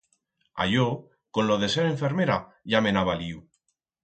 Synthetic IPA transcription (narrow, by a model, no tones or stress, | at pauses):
a̰ʝo | ko̞nloðe̞seɾe̞ɱfe̞ɾmeɾaʝame̞naβaliu